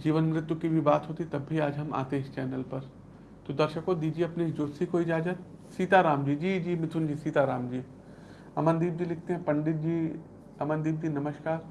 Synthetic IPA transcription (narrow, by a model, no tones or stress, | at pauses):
d͡ʒiːʋənmɾɪt̪ukibʱibaːt̪ɦoːt̪it̪ɐbʱiaːd͡ʒɦɐma̰ːt̪eːɪst͡ʃɛːnəlpɐɾ | t̪od̪ɐɾʃəkod̪iːd͡ʒieɐpnid͡ʒʊɾsikoːid͡ʒaːd͡ʒat̪siːt̪aɾaːmd͡ʒiːd͡ʒiːd͡ʒiːmɪt̪ʰʊnd͡ʒiːsiːt̪aɾaːmd͡ʒiː | ɐmənd̪iːb̚d͡ʒiːlɪk̚ʰt̪eɦɛ̃pɐ̃ɳɖɪt̪̚d͡ʒiː | ɐmənd̪iːb̚d͡ʒiːnɐməʃkaːɾ